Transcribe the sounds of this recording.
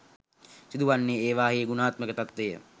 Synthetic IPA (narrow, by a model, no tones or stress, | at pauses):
sid̪uʋanːeːeːʋaːɦijeɡunaːt̪məkət̪at̪ʋejə̰